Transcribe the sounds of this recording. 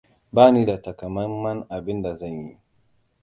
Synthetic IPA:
baː˦ni˦da˨ta˨ka˨ma˦mma˦na˨bɪ˦nda˨za˦˨nji˦

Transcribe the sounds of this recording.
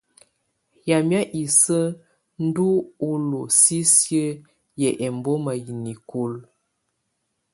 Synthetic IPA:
ja˨mja˦ʔi˨sə˦ | n̩˦du˦o˦lo˨si˦sjə˦ | jɛ˨ʔɛ˨m˨bɔ˦ma˨ji˨ni˨ko˨l

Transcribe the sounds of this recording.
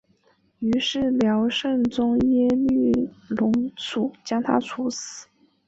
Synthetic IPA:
y˧˥ʂɻ̩˥˩ljɑ˧˥ʊʂə˥˩nt͡sʊ˥ŋjɛ˥ly˥˩lʊ˧˥ŋt͡sʰu˨˩˦t͡ɕjɑ˥ŋt̪ʰa̰˥t͡sʰu˧˥s̩˨˩˦

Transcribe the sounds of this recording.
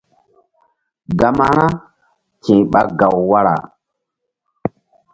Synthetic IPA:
ɡa˨ma˨ɾa˦ | kĩ˨ɓa˦ɡa˨wwa˦ɾa̰˨

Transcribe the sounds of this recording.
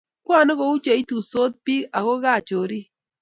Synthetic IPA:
kwa˦˨nɔ˦ko˦u˦t͡ʃe˨i˦tu˨so˦t̪̚pi˦a˨ko˦ɡa˦˨t͡ʃo˨ɾi˦

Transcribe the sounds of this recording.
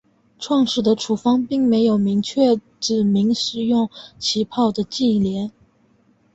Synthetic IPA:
ʈ͡ʂʰwɑ˥˧ŋʂɻ̩˥˩d̪ə˩ʈ͡ʂʰu˨˩fɑ˥ŋpi˥˩ŋme˧˥ɪjo˨˩ʊmi˧˥ŋt͡ɕʰɥɛ˥˩ | ʈ͡ʂɻ̩˨˩mi˧˥ŋʂɻ̩˨˩jʊ˥˩ŋt͡ɕʰi˧˥pʰɑ˥˩ʊd̪ə˩t͡ɕi˥˩ljɛ˧˥n

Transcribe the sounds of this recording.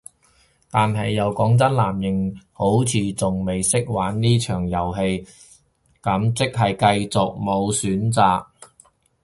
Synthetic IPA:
t̪aː˨nɦɐ˨jːɐ˨˧wkɔː˨˥ŋt͡sɐ˥nlaː˨˩mjɪ˨˩ŋho˨˥wt͡sʰiː˨˧t͡sʊ˨ŋme˨jsɪ˥k̚waː˨˥nːiː˥t͡ʃʰœː˨˩ŋjɐ˨˩wɦe˧j | kɐ˨˥mt͡sɪ˥k̚ɦɐ˨jkɐ˧jt͡sʊ˨k̚mo˨˧wsyː˨˥nt͡saː˨k̚

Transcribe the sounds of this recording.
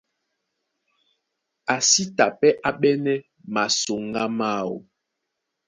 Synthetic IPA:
a˨si˦ta˨pɛ˦ʔa˨ɓɛ˦nɛ˦ | ma˨so˨ŋɡa˦ma˦˨wo̰˨

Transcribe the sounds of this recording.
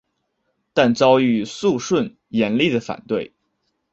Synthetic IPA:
t̪a˥˩nt͡sɑ˥ʊy˧˥su˥˧ʂwə˥˩n | jɛ˧˥nli˥˩d̪ə˩fa̰˨˩nt̪we˥˩ɪ

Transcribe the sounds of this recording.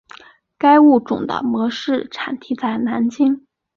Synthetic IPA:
ka˥ɪu˥˩ʈ͡ʂʊ˨˩ŋd̪ə̰˧mɤ˧˥ʂɻ̩˥˩ʈ͡ʂʰa˨˩nt̪ʰi˧˥t͡sa˥˩ɪna˧˥nt͡ɕi˥ŋ

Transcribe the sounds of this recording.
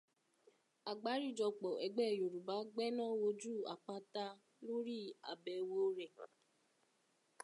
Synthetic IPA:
a˨ɡ͡ba˨˦ɾi˦˨d͡ʒɔ˧k͡pɔ˨ʔɛ˨ɡ͡bɛ˦˨jo˨ɾu˨ba˨˦ɡ͡bɛ˦nã˦wo˧d͡ʒu˦˨a̰˨k͡pa˦ta˧˦ | lo˦ɾi˦a̰˨bɛ˧wo˦ɾɛ˨

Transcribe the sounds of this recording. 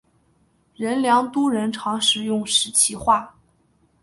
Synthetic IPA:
ɻə˧˥nljɑ˧˥ŋt̪u˥ɻə˧˥nʈ͡ʂʰɑ˧˥ŋʂɻ̩˧˥jʊ˥˩ŋʂɻ̩˧˥t͡ɕʰi˧˥xwa˥˩

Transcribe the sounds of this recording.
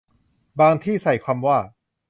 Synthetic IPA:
baː˧ŋt̪ʰiː˥˩sa˨˩˦jkʰaː˧mwaː˥˩

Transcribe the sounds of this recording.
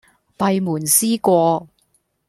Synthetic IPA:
pɐ˧jmuː˨˩nsiː˥kʷɔː˧

